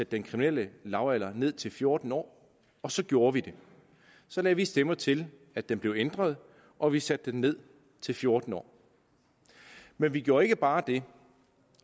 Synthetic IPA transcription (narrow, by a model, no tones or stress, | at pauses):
sæd̥ːenkʰʁiminel̰əlɑ̈ʊælɐne̝ð̞̰ˠt͡sʰe̝lfjo̝ɐd̥n̩ɒ̰ː | ɒ̽sɒ̽ɡ̥jo̝ːɐʋid̥e̝ | sɒ̽lɛːʋisd̥emɐt͡sʰe̝l | æd̥emb̥le̝ʊend̥ʁɐð̞ˠ | ʔɒ̽ʋisæd̥denne̝ð̞̰ˠ | t͡sʰe̝lfjo̝ɐd̥n̩ɒ̰ː | menʋiɡ̥jo̝ːɐe̝ɡ̥əb̥ɑ̈ːd̥e̝